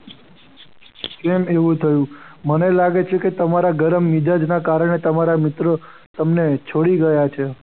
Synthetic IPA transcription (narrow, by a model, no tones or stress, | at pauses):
kemeʋũt̪ʰəjũmənelaɡet͡ʃʰeket̪əmaɾaɡəɾəmːid͡ʒad͡ʒnakaɾəɳet̪əmaɾamɪt̪ɾə | t̪əmnet͡ʃʰoɽiɡəjat͡ʃʰe